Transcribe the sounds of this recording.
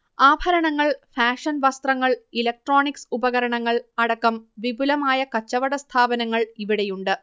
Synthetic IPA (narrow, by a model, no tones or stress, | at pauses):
aːbʱɐɾɐɳɐŋːɐɭfaːʂɐnʋɐst̪rɐŋːɐɭilɐk̚ʈroːɳiksubɐɣɐɾɐɳɐŋːɐɭɐɽɐkːɐmʋibulɐmaːjɐkɐt͡ɕːɐʋɐɽɐst̪ʰaːbɐnɐŋːɐɭiʋiɽejuɳɖɨ